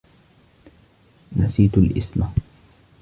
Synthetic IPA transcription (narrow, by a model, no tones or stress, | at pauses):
nasiːt̪ʊlʔɪsma